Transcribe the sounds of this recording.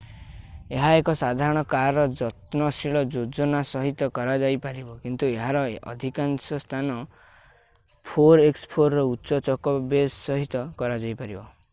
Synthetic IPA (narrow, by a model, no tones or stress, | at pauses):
eɦaekɔsad̪ʱaɾɔɽ̃ɔkaɾɔd͡ʒɔt̪nɔsiɭɔd͡ʒod͡ʒɔnasɔɦit̪ɔkɔɾad͡ʒajpaɾibɔkint̪ueɦaɾɔɔ̰d̪ʱikansɔst̪ʰanɔ | pʰoɾekspʰoɾːɔutːʃɔt͡ʃɔkɔbessɔɦit̪ɔkɔɾad͡ʒajpaɾibɔ